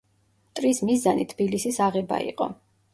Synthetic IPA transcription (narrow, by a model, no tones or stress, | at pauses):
t̪ʼɾismizanit̪ʰb̥ilisisaʁɛba̰ḭqʼɔ̰